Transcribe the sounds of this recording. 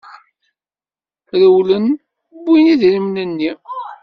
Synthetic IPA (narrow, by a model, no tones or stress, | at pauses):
ɾəwlən | bːiniðɾimnənːi